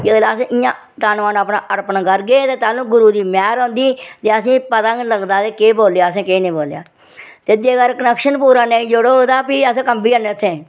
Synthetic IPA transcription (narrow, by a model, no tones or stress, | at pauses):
d͡ʒelaːsẽːʔɪjãː | t̪aːnʋaːnəːpnaːʔəɾpənkəɾɡeːt̪eːt̪aːlũːɡʊɾuːd̪iːmɛːɾõːnd̪iːt̪eːəsĩːpət̪ãːləɡd̪aːt̪eːkeːboːlejaːəs̬ẽːkeːnĩːboːlja̰ː | t̪ed͡ʒ̪eːkəɾkənəkʃənpuːɾaːnẽːid͡ʒoɽood̪aːpiːəsẽːkəmbiːənet̪ʰːẽː